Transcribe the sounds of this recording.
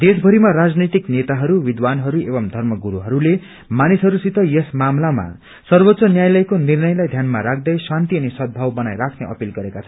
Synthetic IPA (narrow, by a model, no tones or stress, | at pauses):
d̪esbʱʌɾimaɾad͡znit̪iknet̪aɦʌɾuwid̪wanɦʌɾuebʌmd̪ʱʌrmʌɡuɾuɦʌɾule | manisɦʌɾusit̪ʌjesmamlama̰ | sʌrbot̪ːsʌnjajlʌjkonirnʌjlajd̪ʱjanmaɾakʰd̪ʌjsant̪iʌnisʌd̪̚bʱʌwbʌnajɾakʰnḛʌ̰pilɡʌɾekat͡sʰʌn